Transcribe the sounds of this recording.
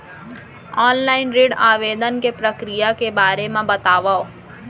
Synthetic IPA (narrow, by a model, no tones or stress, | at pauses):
ɔːnlaːɪnɾiːɖaːʋeːd̪ənkepɾəkɾijakebaːɾemãbɐt̪aːʋao